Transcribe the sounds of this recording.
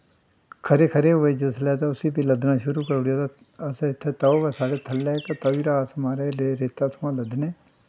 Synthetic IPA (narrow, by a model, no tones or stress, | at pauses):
kʰəɾeːkʰəɾeɦʊed͡ʒəslɛːt̪aʊsiːpiləd̪naːʃʊɾuːkəɾɽijat̪a | əsɪt̪ʰːeːt̪aːoʋɛsaːɽeːt̪ʰəlːɛːkat̪aːiːɾaːsəmaːɾeleːɾeːt̪at̪ʰʊãːləd̪nẽː